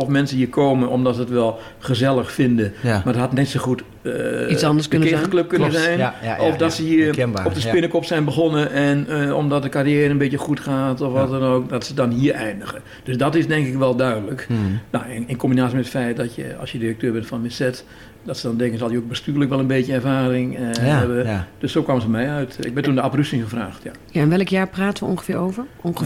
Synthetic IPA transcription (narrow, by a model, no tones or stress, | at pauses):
ɔfmɛnsəiːəkʰoːmənʔɔmdɔtsəətʋɛlˠ | χəzɛlˠəxfɪndəmardɔthatnɪtsəxut | ɑndəsnkɪəkløp̚kønnəzɛjnɔfdɔtsəhiəɔpdəspɪnəkɔpsɛjnbəxɔnəʔɛnɔ̰mdɔt̚dəkarijɛːɾənbetjəxutxaːtɔfʋɔtɛnoːkdɔtsədɔnhiːəɛjndəɣə | d̥øsdɔtɪsdɛŋkɪkʋɛlˠdœɥdələknɔwɪɪnkombinaːsiəmɛtətfɛjt̚dɔtjə̰ɑ̰lˠsjədirək̚tøːɹbɛntfɔnmɪsɛt | dɔtsədɔndɛŋkənsɔlˠdjəok̚bəstyːrləkʋɛlˠənbetjənɛrvaːrɪŋɛbəd̥øsowkwaːməzəmɛjœɥtɪ̰ɡ̚bɪntundəaprystɪŋχəfra̰ːxtja | jaɛnʋɛləkjaːpraːtənʋəɔ̰ŋxəfɪːɹowvərɔŋ